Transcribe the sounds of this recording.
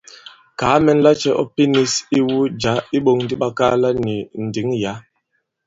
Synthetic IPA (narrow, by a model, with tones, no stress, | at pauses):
kaː˨˦mɛ˦n˦la˦t͡ʃɛ˦ʔɔ˦pi˦ni˦si˦wu˦d͡ʒa˨˦i˦ɓo˦˨ŋn˦di˦ɓa˦ka˦la˦ni˨n̩˨di˨˦ŋja˨˦